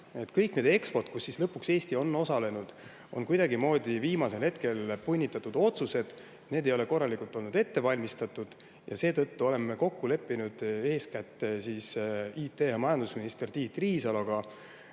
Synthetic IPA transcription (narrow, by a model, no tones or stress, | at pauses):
e̞t̪kɤjkne̞ːd̪e̞kspo̞rt̪̚kusːislɤpːukse̞ːst̪io̞nːo̞sɑle̞nud̪̥ | o̞̰nkujd̪̥ɑɡimo̞ːd̪̥ʲiviːmɑse̞lhe̞t̪ke̞lpunʲːit̪ːˑɑt̪ːud̪o̞t̪suse̞d̪̥ | ne̞ːd̪̥e̞jo̞le̞ko̞rːɑlikult̪ːˑo̞lnud̪e̞t̪ːe̞vɑlʲmist̪ɑt̪ːud̪̥ | jɑse̞ːt̪ɤ̞t̪ːuo̞le̞mːeko̞kːule̞pːinud̪̥e̞ːskæt̪ːesiːsiːt̪e̞jɑmɑjɑnd̪̥usminist̪ert̪iːt̪ːriːsɑloɡ̥ɑ